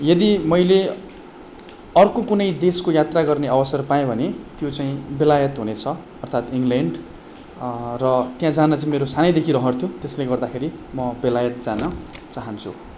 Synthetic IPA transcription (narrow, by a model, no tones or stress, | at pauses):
jʌd̪imʌjle | ʌrkokunʌjd̪eskojat̪raɡʌrneʌbʌsʌrpaẽbʱʌnet̪jot͡saĩbelajʌt̪ɦunet͡sʰʌ | ʌrt̪ʰat̪iŋɡleɳɖ | rʌt̪jãd͡zanʌt͡saĩmeɾosanʌjd̪ekʰiɾʌɦʌrt̪ʰjut̪esleɡʌrd̪akʰeɾimʌbelajʌt̪̚d͡zanʌt͡saɦʌnt͡sʰṵ